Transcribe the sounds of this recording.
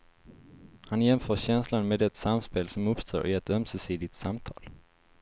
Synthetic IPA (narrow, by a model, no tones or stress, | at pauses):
hanjɛmfœːɕɛnslanmeːd̪ɛt̪samspeːlsɔmɵpst̪ʰo̰ːɾʔɪɛt̪œmsɛsiːd̪ɪt̪samt̪ʰɑ̰ːl